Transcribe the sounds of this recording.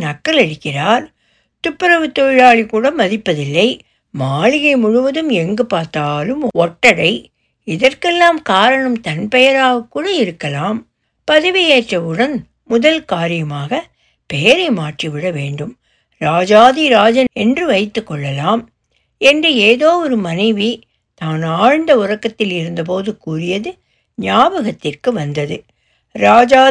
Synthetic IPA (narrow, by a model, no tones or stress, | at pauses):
nɐkːɐlɐɽɪkːɪraːɾ | t̪ʊpːɪɾɐʋɯt̪ːɔɪɻaːɭikːuːɽɐmːɐðɪpːɐðɪlːɐɪ | maːɭɪɣɐɪmʊɻʊʋɐðɯmɛŋɡɯpaːɾt̪aːlɯmɔʈːɐɽɐɪ | ɪðɐrkɛlːaːmkaːɾɐɳɐmt̪ɐnpɛjɐɾaːɣɐkːuːɽɐɪɾɯkːɐlaːm | pɐðɪʋɪjeːʈrɐɯɽɐn | mʊðɐlkaːɾɪjɐmaːɣɐ | pɛjɐɾɐɪmaːʈriʋɪɽɐʋeːɳɖɯm | ɾaːd͡ʒaːðiɾaːd͡ʒɐnɛndrɯʋɐɪt̪ːɯkːɔɭːɐlaːm | ɛndrɯeːðoːɔɾɯmɐnɐɪʋi | t̪aːnaːɻnd̪ɐʊrɐkːɐt̪ːɪlɪɾɯnd̪ɐp̬oːðɯkuːrɪjɐðɯ | ɲɪjaːbɐɣɐt̪ːɪrkɯʋɐnd̪ɐðɯ | ɾaːd͡ʒaː